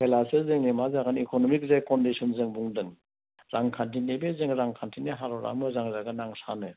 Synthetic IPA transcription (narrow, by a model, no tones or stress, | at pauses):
pʰelasɯzɯŋnemazaɡanikonɔmik̚zekɔndisɔnzɯŋbuŋdɯŋ | ɾʔaŋkʰantʰinebezeŋɾaŋkʰantʰineɦaɾɔɾa̰ŋmɯzaŋzaɡɯnaŋsanɯ